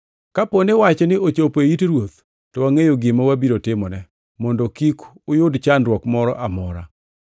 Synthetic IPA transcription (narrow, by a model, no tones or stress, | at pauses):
kaponewat͡ʃnɪʔot͡ʃopeitɾwot̪̚ | tɔwaŋejoɡɪmawabiɾotɪmɔnɛ | mɔndɔkik | ʊjʊdt͡ʃandɾwɔkmɔɾɔ̰ʔamɔɾa̰